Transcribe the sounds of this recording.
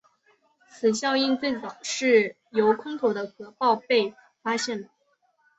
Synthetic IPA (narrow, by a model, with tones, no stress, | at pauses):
t͡sʰɹ̩˨˩ɕjɑ˥˧ʊi˥˧nt͡swe˥˩ɪt͡sɑ˨˩ʊʂɻ̩˥˩ | jo˧˥ʊkʰʊ˥ŋt̪ʰo˧˥ʊd̪ə˦xɤ˧˥pɑ˥˧ʊpe˥˩ɪ | fa˥ɕjɛ˥˩nə˩